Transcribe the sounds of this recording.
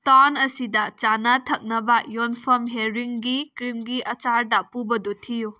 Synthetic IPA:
tanɐsidɐt͡ʃanɐtʰɐk̚nɐbɐjonpʰɐmɦeɾiŋɡikɾimɡiʔɐt͡ʃaɾdɐpubɐdutʰiju

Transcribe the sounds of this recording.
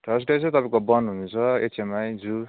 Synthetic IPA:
ʈʰʌs̬ʈesʰet̪ʌpãĩkobʌnɦunut͡sʰʌḛt͡sʰemajd͡zu

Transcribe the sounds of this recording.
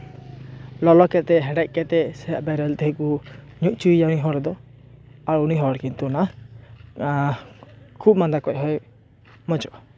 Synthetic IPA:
lɔlɔkɛt̪ɛɦɛɖɛc̚ˀkɛt̪ɛsɛaʔbɛɾɛlt̪ɛɦɛku | ɲuʔ̚ˀt͡ʃuijauniɦɔɽd̪ɔ | aɾuniɦɔɽkint̪una | kʰub̚mand̪akɔc̚ˀɦɔj | mɔt͡ʃɔʔa

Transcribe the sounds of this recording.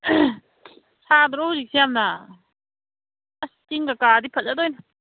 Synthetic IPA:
sadɾɔawzik̚sijamnɐ | ɐskiŋɡakadipʰɐt̚zadojnɐ

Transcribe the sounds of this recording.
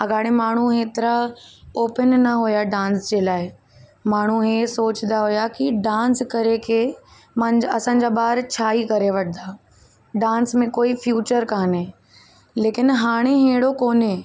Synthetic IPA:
ɐɡaːɽ̃emaːɳ̤uɦeːt̪ɪɾaoːpənːɐɦujaɖãːnsd͡ʑeːlaːɪ | maːɳ̤uɦeːsoːt͡ɕnd̪aɦujakiɖãːnskɐɾekʰe | mãd͡ʑɐsãːɲ̆d͡ʑaːbaːɾt͡ɕʰaːikɐɾeʋɐʈʰɪ̃nd̪aː | ɖãːnsmẽkoːifjuːt͡ɕəɾkaːnẽː | leːkɪnɦaːɽ̃ẽɦẽːɽokoːnẽ

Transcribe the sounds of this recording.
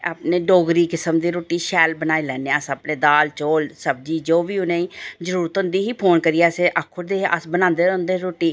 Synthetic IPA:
aːpneːɖoːɡɾiːkɪsəmd̪iːɾoːʈiːʃɛːlbənaːiːlɛːneːəsəpnẽːd̪aːlt͡ʃoːlsəb̚d͡ʒiːd͡ʒoːʋiːʊnẽːiːzəɾuːɾət̪ʊ̃nd̪iːɦiːpʰoːnkəɾiːaːseːʔəkʰːʊɾd̪eːəsbənãːnd̪eːɾnd̪eːɾoːʈiː

